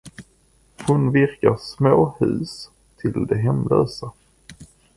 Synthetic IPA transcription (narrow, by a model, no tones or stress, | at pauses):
hʊnvɪɾkaʂmoːhʉ̟̰ːs | t̪ʰɪld̪ɛɦɛmløːsa